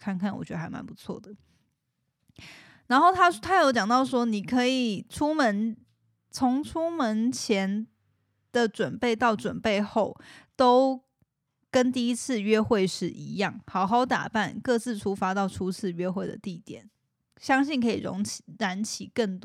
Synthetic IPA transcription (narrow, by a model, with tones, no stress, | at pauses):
kʰa˥˧nkʰa˥˩nwɔ̰˨˩t͡ɕɥɛ˧˥də˧a˧˥ɪma̰˧˥npu˧˥t͡sʰwɔ̰˥˩d̪ə˩ | na˧˥nxo˥˩ʊt̪ʰa˥t̪ʰa˥˧jo˧˥ʊt͡ɕjɑ˨˩ŋt̪ɑ˥˩ʊʂwɔ˥ni˨˩kʰɤ˧˥i˨˩ʈ͡ʂʰu˥mə˧˦n | t͡sʰʊ˧˥ŋʈ͡ʂʰu˥mə˧˥nt͡ɕʰjɛ˧˥n | d̪̥ə˨ʈ͡ʂwə˨˩npe˥˧ɪt̪ɑ˥˩ʊʈ͡ʂwə˨˩npe˥˧ɪxo˥˩ʊt̪o˥ʊ | kə˥nt̪i˥˩i˥t͡s̩ʰ˥˧ɥɛ˥xwe˥˧ɪʂɻ̩˥˩ʔi˧˥jɑ˥˩ŋxɑ˨˩ʊxɑ˥ʊt̪a̰˨˩pa˥˨nkɤ˥˧t͡sɹ̩˥˩ʈ͡ʂʰu˧˥fa˧˥t̪ɑ˥˩ʊʈ͡ʂʰu˥t͡sʰɹ̩˥˧ɥɛ˥xwe˥˩ɪd̪ə̰˩t̪i˥˩t̪jɛ̰˨˩˦n | ɕjɑ˥ŋɕi˥˩nkʰɤ˧˥ḭ˨˩ɻo̰˧˥ŋ˨ɻa˧˥nt͡ɕʰi˨˩kə˥˩nt̪